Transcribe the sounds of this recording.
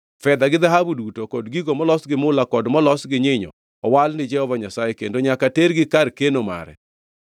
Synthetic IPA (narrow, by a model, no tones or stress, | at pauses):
fɛd̪aɡɪðaɦabudutokɔdɡiɡomɔlɔsɡɪmʊlakɔdmɔlɔsɡɪɲɪɲɔ̰ | ɔwalnɪd͡ʒɛhɔvaɲasajɛkendoɲakateɾɡɪkarkenoma̰ɾɛ̰